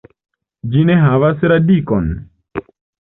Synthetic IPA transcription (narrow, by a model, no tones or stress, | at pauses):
d͡ʒineɦaʋaseɾadikɔn